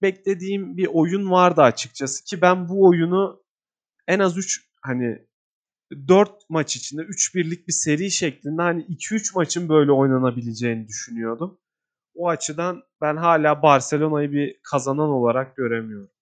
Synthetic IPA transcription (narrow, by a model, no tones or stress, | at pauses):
bɛclʲe̞d̪iːmbiʔo̞junvaɾd̪ɯat͡ʃʰɯ̥k̚t͡ʃʰasɯ̥cʰibænbuo̞junu | ɛnazyt͡ʃ | hani | d̪øɾt̪̚mat͡ʃit͡ʃʰind̪ɛyt͡ʃbiɾlʲic̚bise̞ɾiːʃɛclʲind̪ɛhaniicʰiyt͡ʃmat͡ʃʰɯnbø̞jlʲɛo̞jnanabilʲed͡ʒejnid̪yʃynyjo̞d̪um | oat͡ʃʰɯd̪an | bænɦaːlʲaːbaɾse̞lʲo̞najɯbikʰazanano̞lˠaɾak̚ɟø̞ɾemijo̞ɾum